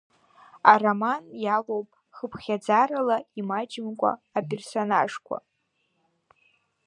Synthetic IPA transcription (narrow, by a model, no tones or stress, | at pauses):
aramanjalowpʼ | χəpʰχʲad͡zaɾalaimad͡ʒɪmkʷʼa̰ːpʼe̞rsonaʐkʷʰa̰